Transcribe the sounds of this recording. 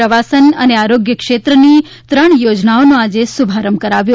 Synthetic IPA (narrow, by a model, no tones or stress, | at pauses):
əʋasənəneaɾoɡjəkʂet̪ɾəni | t̪ɾəɳjod͡ʒnaonõad͡ʒesubʱaɾəmkəɾaʋjo